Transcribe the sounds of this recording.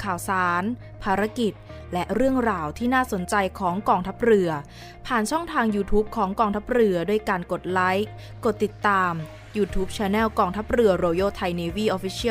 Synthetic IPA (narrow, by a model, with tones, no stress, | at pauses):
kʰaː˨˩wsaː˩˦n | pʰaː˧ɾa˧˥ki˨˩t̪̚ | lɛ˦˥ʔɾɯ˥˩əŋɾaː˧wt̪ʰiː˥˩naː˥˩so˩˦nt͡ɕa˧jkʰɔː˩˦ŋkɔː˧ŋt̪ʰa˦˥p̚ɾɯ˧ɐ | pʰaː˨˩nt͡ɕʰɔ˥˩ŋt̪ʰaː˧ŋjuː˧t̪ʰuː˦˥p̚kʰɔː˩˦ŋkɔː˧ŋt̪ʰa˦˥p̚ɾɯ˧ɐduː˧˥˩əjkaː˧nko˨˩t̪̚la˦˥j | ko˨˩t̪ːi˨˩t̪ːaː˧m | juː˧t̪ʰuː˦˥p̚t͡ɕʰɛː˧˥nɛː˥˩wkɔː˧ŋt̪ʰa˦˥p̚ɾɯ˧ɐɾoː˧joː˥˩t̪ʰa˧jni˧wiː˥˩ʔoː˧˥fi˦˥t͡ɕʰi˥˩˨